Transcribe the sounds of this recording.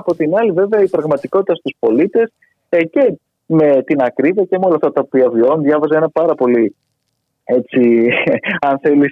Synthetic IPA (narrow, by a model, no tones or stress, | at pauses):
ɐpo̞t̪inɐlive̞veɐipɾɐɣmɐt̪iko̞t̪it̪ɐst̪uspo̞lit̪e̞s | ece̞ | me̞t̪inɐkɾiviɐcemeo̞lɐft̪ɐt̪ɐopiɐvionðʝɐvɐzɐnɐpɐɾɐpo̞li | e̞t͡ssi | ɐnθe̞lis